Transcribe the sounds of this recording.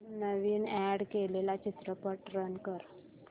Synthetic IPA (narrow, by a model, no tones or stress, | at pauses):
nəʋiːnæɽkelelat͡ɕit̪ɾəpəʈɾənkəɾ